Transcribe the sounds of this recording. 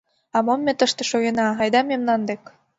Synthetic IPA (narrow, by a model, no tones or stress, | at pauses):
ɑmomːet̪əʃt̪eʃoɣenɑɑjd̪ɑmemnɑnd̪ek